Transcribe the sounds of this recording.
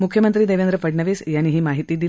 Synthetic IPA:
mukʰjəmənt̪ɾiːd̪eːʋeːnd̪ɾəpəɖɳəʋiːsjaniɦiːmaɦit̪iːd̪i

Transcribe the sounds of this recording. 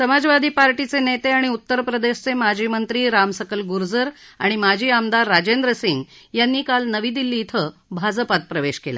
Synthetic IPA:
səmad͡zʋad̪iːpaɾʈit͡senet̪eaɽ̃iut̪ːəɾpɾəd̪eɕt͡semad͡ʑʱimənt̪ɾiːɾamsəkəlɡuɾd͡zəɾa̰ɽ̃imad͡ʑʱiːamd̪aɾːad͡ʑend̪ɾəsiŋɡjanːiːkalnəʋiːd̪ilːiːt̪ʰəbʱad͡zəpat̪̚pɾəʋeɕkela̰

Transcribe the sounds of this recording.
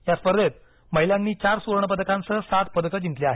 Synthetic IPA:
jaspəɾd̪et̪̚ | məɦiljanːiːt͡ɕaɾsoɾɳəp̬əd̪əkãnt͡səsat̪̚pəd̪əkəd͡ʑint̪leaɦe

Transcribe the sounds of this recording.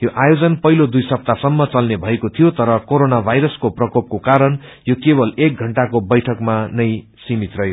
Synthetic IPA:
joʔajod͡zʌnpʌɦilod̪ujsʌp̚t̪asʌmːʌt͡sʌlnebʱʌekot̪ʰijot̪ʌɾʌkoɾonabʱajɾʌskoprʌkop̚kokaɾʌn | jokebʌlek̚ɡʱʌɳʈakobʌjʈʰʌkmanʌj̃ | simit̪rʌjo

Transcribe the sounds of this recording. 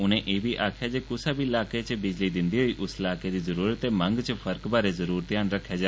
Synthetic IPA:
ʊñ̤ẽʔeːbʱiʔaːkʰjad͡ʒeːkʊsabʱilaːket͡ʃbɪd͡ʒlid̪ɪ̃nd̪iɦoiʔʊsɪlaːked̪izəɾuːɾət̪emə̃ŋɡt͡ʃfəɾkbʱaːɾezəɾuːɾt̪jãːnɾəkʰːjad͡ʒaː

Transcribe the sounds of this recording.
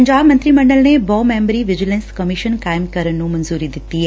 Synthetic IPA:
ɲd͡ʒaːbmɐ̃nt̪ɾimɐ̃ɳɖəlnebɔːmẽmbɾiʋɪd͡ʒilenskəmiʃənkaːjmkɐɾənːũmɐnzuːɾid̪ɪt̪iɦ

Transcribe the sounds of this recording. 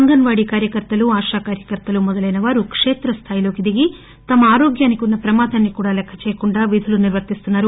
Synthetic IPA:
ɐŋɡɐnʋaːɽikaːɾjɐkɐɾt̪ɐluaːʂaːkaːɾjɐkɐɾt̪ɐlumɔd̪ɐlɐjnɐʋaːɾukʂeːt̪ɾɐst̪ʰaːjilo̞ːkid̪iɡi | t̪ɐmɐaːɾo̞ːɡjaːnikiunːɐpɾɐmaːd̪aːnːikuːɽaːlɛkʰːɐ̥t͡ʃɛːjɐkuɳɖaːʋid̪ʱuluniɾʋɐɾt̪ist̪unːaːɾu

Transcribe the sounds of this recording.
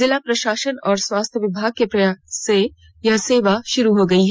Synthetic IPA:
zɪlapɾɐʃaːʃənɔːɾswaːst̪ʰjəʋɪbʱaːɡ̚kepɾɐjaːse | jɐɦseːʋaʃʊɾuɦoɡɐiɦɛ

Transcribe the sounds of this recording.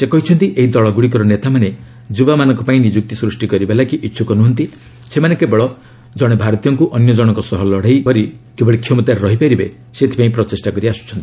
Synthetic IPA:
sekɔɦit͡ʃʰɔnt̪iʔeɦid̪ɔɭɔɡuɽikɔɾɔnet̪amane | d͡ʒubamanɔŋkɔpaĩnid͡ʒuk̚t̪isɾusʈikɔɾibelakiʔitːʃʰukɔnuɦɔnt̪i | semanekebeɭɔ | d͡ʒɔɽ̃ebʱaɾɔt̪ijɔŋkuʔɔnjɔd͡ʒɔɽ̃ɔ̃ŋkɔsɔɦɔlɔɽ̤ajkɔɾikebɔɭekʰjomt̪aɾɾɔɦipaɾibe | set̪ʰipaĩpɾɔt̪esʈakɔɾiasu̥t͡ʃʰɔnt̪i̥

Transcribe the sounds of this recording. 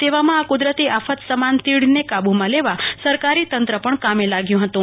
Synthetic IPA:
t̪eʋamãːkʊd̪ɾət̪iafət̪səmant̪iɽ̤nekabumãleʋasəɾkaɾit̪ənt̪ɾəpəɳkamelaɡjũɦət̪ũ

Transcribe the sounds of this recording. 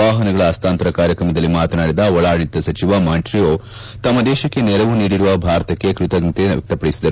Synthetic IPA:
aːɦɐnɐɡɐɭɐːst̪aːnt̪ɐɾɐkaːɾjɐkɾɐmɐd̪ɐlːimaːt̪ɐnaːɽid̪ɐʋɔɭaːɽit̪ːɐsɐt͡ʃiʋamaːɳʈɾijo | t̪ɐmːɐd̪ɛːʃɐkːe̞nɛɾɐʋuniːɽiɾuʋɐbʱaːɾɐt̪ɐkːe̞kɾut̪ɐɡnɐt̪eʋɛ̰k̚t̪ɐpɐɽisid̪ɐɾu

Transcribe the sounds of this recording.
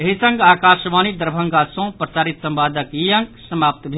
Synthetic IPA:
eɦisə̃ŋɡaːkaʃʋaːnid̪əɾbʱə̃ŋɡasõpɾəsaːɾit̪sə̃mbaːd̪ʱəkijəŋksəmaːp̚t̪bʱe

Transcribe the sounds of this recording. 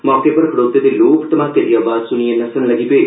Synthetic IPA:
mɔːkeːpəɾkʰəɽoːt̪eːd̪eːluːpt̪əmãːkəɾijãːbaːd̪sʊñienəsənləɡiːt̪oeː

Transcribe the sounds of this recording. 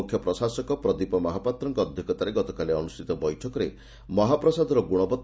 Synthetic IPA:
ukʰjɔpɾɔsasɔkɔpɾɔd̪ipɔmɔɦapat̪ɾɔŋkɔːd̪ʱjɔkɔt̪aɾeɡɔt̪ɔkaliɔnust̪ʰi̥t̪ɔbɔjʈʰɔkɔɾe | mɔɦapɾɔsad̪ʱɔɾɔɡuɽ̃ɔbɔt̪ː

